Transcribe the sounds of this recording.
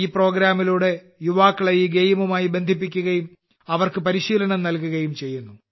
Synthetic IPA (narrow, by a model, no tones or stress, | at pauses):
iːpro̞ːɡɾaːmiluːɽe̞ | juʋaːkːɐɭɐjiɡejmumaːjibend̪ʱipːikʲːuɣɐjum | ɐʋɐrkɨpɐɾiɕiːlɐɳɐmnɐlkuɣɐjumt͡ɕe̞jːunːu